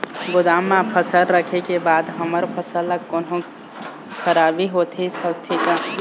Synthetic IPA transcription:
ɡʊd̪amːãpʰəsəlɾəkʰekebad̪ɦəməɾpʰəsəlːəkːonɦõ | kʰəɾabiɦot̪ʰisəkt̪ʰika

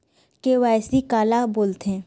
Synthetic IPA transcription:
keʋaːjsikaːlaboːlt̪ɦɛ̃ː

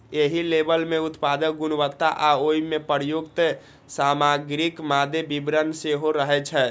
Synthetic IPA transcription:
eɦilebəlmeut̪pad̪əkɡunʋət̪ːa̰ʔaoimepəɾjoɡt̪ə | samaɡɾikmad̪ʱebibɾənseɦoɾəɦɛt͡ʃʰɛ

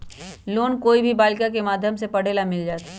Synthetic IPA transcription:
loːnkoːibʱibaːlkakemaːd̪ʱjəmsepɐɽ̤eːlamɪld͡ʒaːt̪a

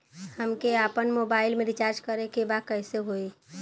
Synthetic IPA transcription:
həmkeapənmobaɪlmẽɾit͡ʃaɾd͡ʒkəɾekebakəɪseɦoi

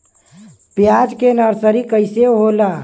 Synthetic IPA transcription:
pjad͡ʒkenəɾsəɾikəɪseɦola

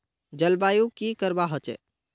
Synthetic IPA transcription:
d͡ʒəlbajukikəɾbaɦɔt͡ʃɛ̰

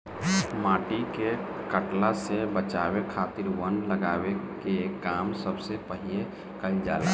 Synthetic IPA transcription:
mãːʈike | kəʈlasebət͡ʃawekʰat̪iɾwənləɡaːwekekːamsəbsepəɦie | kəild͡ʒa̰la̰

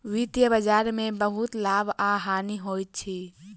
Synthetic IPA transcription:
wit̪jəbəd͡ʒaːɾmẽbəɦut̪laːbʱaːɦaːniɦoːjt̪̚t͡ʃʰi

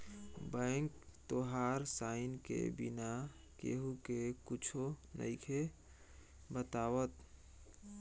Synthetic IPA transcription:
bə̃ŋkt̪oɦaːɾsaːɪnkḛbɪ̰na | kḛɦukekʊt͡ʃʰonə̰ɪkʰe | bət̪aːwət̪

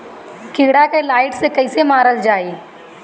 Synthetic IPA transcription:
kɪːɽakelaːɪʈsekɐɪsemaːɾəld͡ʒaːeː

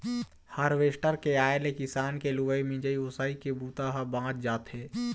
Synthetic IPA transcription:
həɾʋeːsʈəɾkeaːelekɪsaːnkeluʋəimɪ̃d͡ʒəiʊsaːikebuːt̪aɦəbãːt̪̚d͡ʒaːt̪ɦeː

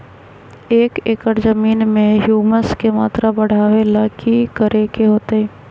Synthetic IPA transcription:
eːkekəɾzəmiːnmẽɦjuːməskema̰ːt̪ɾabɐɽ̤aːʋelaːkʰikəɾʔekeɦoːt̪eɦɛ̃ː

